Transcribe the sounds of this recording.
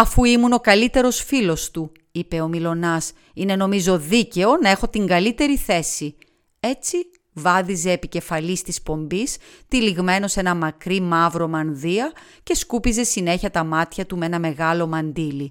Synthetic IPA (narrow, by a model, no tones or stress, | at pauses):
ɐfuimuno̞kɐlit̪e̞ɾo̞sfilo̞st̪u | ipe̞o̞milo̞nɐs | ine̞no̞mizo̞ðice̞o̞nɐe̞xo̞t̪iŋɡɐlit̪e̞ɾiθe̞si | e̞t͡si | vɐðize̞ːpice̞fɐlist̪ispo̞mbist̪iliɣme̞no̞se̞nɐmɐkɾimɐvɾo̞mɐnðiɐ | ce̞skupize̞sine̞çɐt̪ɐmɐt̪çɐt̪umee̞nɐme̞ɣɐlo̞mɐnd̪ili